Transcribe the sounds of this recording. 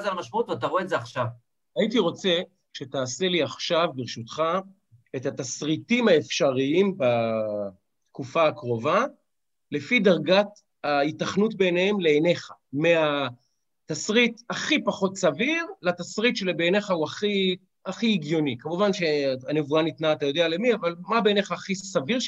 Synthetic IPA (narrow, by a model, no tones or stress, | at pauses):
zalmaʃmaut̪veat̬aʁoezeaχʃav | aitiʁo̞t͡se̞ | ʃe̞taːse̞liaχʃavbiʁʃutχa | etat̪asʁitimhaefʃaʁiimba | t̪kufaːkʁo̞va | le̞fidaʁɡat | aitaχnutbe̞nehemleːne̞χa | mea | tasʁitaχipaχo̞tsaviʁlat̪asʁit̪ʃelibeːne̞χauaχi | aχiːɡjo̞nikamuvanʃe̞anevuanit̪naːt̪ajo̞d̪eale̞miavalmabeːne̞χaːχisaviʁ